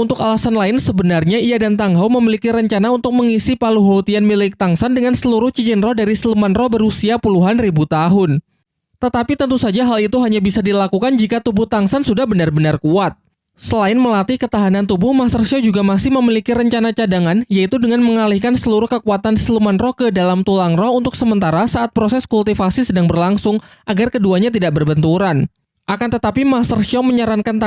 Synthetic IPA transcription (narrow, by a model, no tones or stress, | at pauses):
unt̪ʊkalasanlaɪnsəbənarɲaiadant̪aŋɦawməmilikiɾəɲt͡ʃanaunt̪ʊk̚məŋisipaluɦot̪ianmilɪk̚t̪aŋsandəŋansəluɾʊht͡ʃit͡ʃɪnrɔhdaɾisəlumanrɔhbəɾusiapuluɦanribut̪aɦʊn | t̪ət̪apit̪ənt̪usad͡ʒaɦalit̪uɦaɲabisadilakukand͡ʒikat̪ubʊht̪aŋsansudahbənarbənarkuat̪̚ | səlaɪnməlat̪ikət̪aɦanant̪ubʊhmast̪ərsiɔd͡ʒuɡamasɪhməmilikiɾəɲt͡ʃanat͡ʃadaŋanjait̪udəŋanməŋalihkansəluɾʊhkəkuat̪anslumanrɔhkədalamt̪ulaŋrɔhunt̪ʊksəmənt̪aɾasaʔːt̪̚pɾosɛskult̪ifasisədaŋbərlaŋsʊŋʔaɡarkəduaɲat̪̬idaʔ̚bərbənt̪uɾan | ʔakant̪ət̪apimast̪ərsiɔməɲaɾaŋkant̪